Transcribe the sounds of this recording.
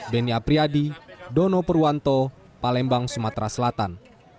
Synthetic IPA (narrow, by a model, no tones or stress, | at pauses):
bɛniapɾiadidɔnɔpəɾuant̪ɔ | palɛmbaŋsumat̪ɾasəlat̪an